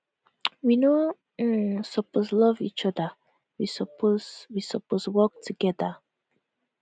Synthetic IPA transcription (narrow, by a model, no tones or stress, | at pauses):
wino | sɔposlɔvit͡ʃɔda | wisɔpʰoswisɔposwɔk̚tʰuɡɛda